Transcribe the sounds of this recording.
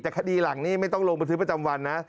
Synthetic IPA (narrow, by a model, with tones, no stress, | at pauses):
t̪ɛː˨˩kʰa˧diː˧la˨˩˦ŋniː˥˩ma˥˩jt̪ɔ˥˩ŋloː˧ŋba˧nt̪ʰɯ˦˥pa˧t͡ɕa˧mwa˧nːa˦˥